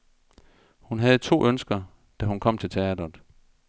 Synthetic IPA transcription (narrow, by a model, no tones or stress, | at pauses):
hunɦæð̞̩ˠət͡sʰo̝̰ːʔønsɡ̥ɐ | d̥æhunkʰɒ̽m̰t͡sʰe̝lt͡sʰeæd̥ɐð̩ˠ